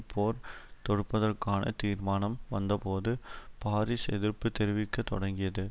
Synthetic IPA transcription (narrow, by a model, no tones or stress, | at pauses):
pʰːoːɾt̪ɔɽɯpːɐðɐrkaːnɐ̰t̪iːɾmaːnɐmʋɐnd̪ɐpoːðɯpaːɾisɛðɪɾpːɯt̪ːɛɾɪʋɪkːɐt̪ːɔɽɐŋɡɪjɐðɯ